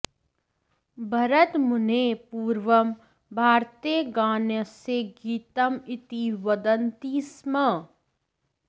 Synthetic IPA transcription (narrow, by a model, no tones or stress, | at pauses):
bʱɐɾət̪mʊnepuːɾʋəm | bʱaːɾt̪iɡaːnjəseɡiːt̪əmɪt̪iʋɐd̪ənt̪iːsmɐ